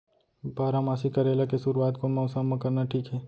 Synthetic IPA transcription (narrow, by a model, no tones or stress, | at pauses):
baːɾamaːsikɐɾeːlakesʊɾuwaːt̪konmaːsanmãkɐɾnaʈʰiːkɦɛː